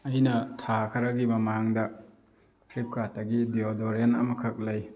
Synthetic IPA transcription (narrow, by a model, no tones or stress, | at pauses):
ɐjnɐtʰakʰɐɾɐɡimɐmaŋdɐ | pʰɾip̚kʰatɐɡidiodoɾenɐmɐkʰɐk̚lɐj